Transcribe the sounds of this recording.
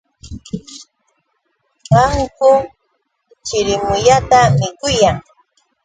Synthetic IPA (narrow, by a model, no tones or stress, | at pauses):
ɢɑŋkʊ | t͡ʃɪɾɪmʊʎat̪amɪkʊjaŋ